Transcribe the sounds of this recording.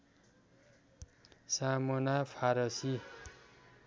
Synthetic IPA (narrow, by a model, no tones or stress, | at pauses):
samonapʰaɾʌsi